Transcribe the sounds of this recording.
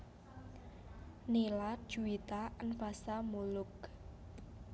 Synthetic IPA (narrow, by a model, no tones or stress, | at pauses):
nelad̥ʒ̥uit̪aʔənfasamulʊk